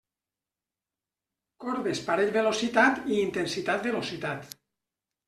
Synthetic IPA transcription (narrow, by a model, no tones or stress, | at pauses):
kɔɾðespaɾeʎβelosit̪at̪iːnt̪ensit̪at̪̚belosit̪at̪